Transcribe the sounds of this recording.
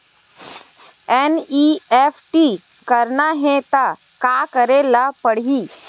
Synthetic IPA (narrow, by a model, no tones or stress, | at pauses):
ɛniːɛfʰʈi | kəɾnaɦɛ̃t̪a | kaːkəɾelapəɽiː